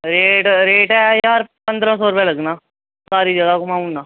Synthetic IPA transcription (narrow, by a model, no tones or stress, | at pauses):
ɾeːʈɾeːʈɛjaːɾpə̃nd̪ɾãsɔːɾʊpɛ̃ːləɡnaː | saːɾiːd͡ʒəɡaːkomãːũnːaː